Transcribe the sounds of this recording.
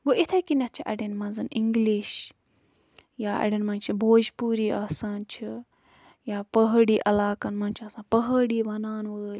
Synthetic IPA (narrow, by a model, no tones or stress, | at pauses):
ɡoʔit̪ʰɐjkinɐt̪̚t͡ʃʰiʔɐ̰ɽenmɐ̃nzɨniŋɡliʃ | jaɐ̰ɖinmɐ̃nt͡ʃʰibʱoːd͡ʒpuːɾiːʔaːsaːnt͡ʃʰi | jaːpəɦɽiːʔɐlaːkɐnmɐ̃nt͡ʃʰiɐsãːpəɦəɽiːbɐnaːnʋəːlʲ